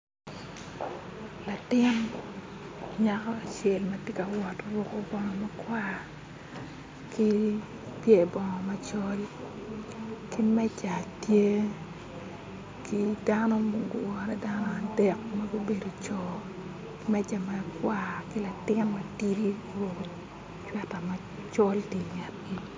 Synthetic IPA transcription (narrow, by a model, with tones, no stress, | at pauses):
la˨tɪ˦n | ɲakɔ˦a˨t͡ʃɛ˨lmɐ˦tje˦ka˨wɔ˨to˦ɾʊ˦ko˦bɔ˦ŋɔ˨ma˦kwa˦ | ki˦ | pje˦˨bɔ˨ŋɔ˨ma˦t͡ʃɔ˦ɾi˦ | ki˦mɛ˦t͡ʃa˨tje˦ | kʰi˦danɔ˦mɡ̰wɔ˨ɾɛ˦da˦nɔ˦a˨dɛ˨k̚ma˦ɡo˦be˨do˨t͡ʃɔ˨ | mɛ˦d͡ʒa˨ma˦kwa˦kɪ˦la˨tɪ˦nɔmɐ˦ti˦ɾi˦wo˨ | t͡ʃa˨ta˨ma˦ | t͡ʃɔ˦lti˨ɲa˨t̚ɡi˨